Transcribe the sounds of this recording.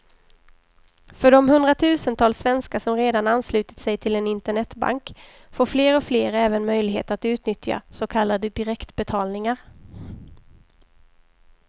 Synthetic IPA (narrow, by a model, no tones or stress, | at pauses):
fœɖɔmhɵnd̪ɾat̪ʰʉ̟ːsənt̪ʰɑːlsːvɛnskasɔmɾeːd̪ananːslʉ̟ːt̪ɪ̥t̪sɛjt̪ʰɪlɛnɪnt̪əɳɛt̪ːba̰ŋk | foːɾfleːɾɔfleːɾɛːvənmœjlɪɡɦḛːt̪at̪ʉ̟ːt̪nʏt̪ʰja̰sɔkʰalːad̪əd̪ɪɾɛkt̪bɛt̪ʰɑːlnɪŋaɾ